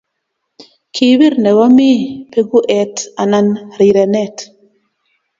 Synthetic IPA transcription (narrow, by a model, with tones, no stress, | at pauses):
kʰi˨wi˦ɾnɛ˨wa˦mi˦pe˦ɡu˦ʔɛ˨ta˨na˨nɾi˨ɾɛ˨nɛ˦˨t